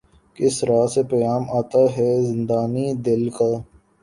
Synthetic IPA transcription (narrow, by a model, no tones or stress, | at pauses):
kɪsɾaːsepɐjaːmaːt̪aɦɛzɪ̃nd̪aːnid̪ɪlkaː